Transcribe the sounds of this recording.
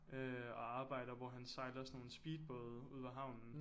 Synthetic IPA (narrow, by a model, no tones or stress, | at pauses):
øɒ̽ɑ̈ːb̥ɑ̈ɪ̰ɾ̥ɐʋɒɦænsɑ̈ɪlɐsno̝ːln̩sb̥iːd̥̚b̥ɔːðˠuð̞̰ˠæɦɑ̈ʊ̰nn̩